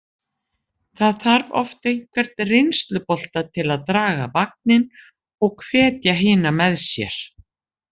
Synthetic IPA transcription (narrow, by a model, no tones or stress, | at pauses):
θaðθaɾvɔ̰ft̪ejn̥kʰvɛɾ̥t̪rɪjnst̪lʏpɔl̥t̪at̪ʰɪlaðt̪ɾaːɣa̰vak̚nɪn | ɔɣkʰvɛːt̪jaɦɪːnamɛðsjɛ̰ɾ̥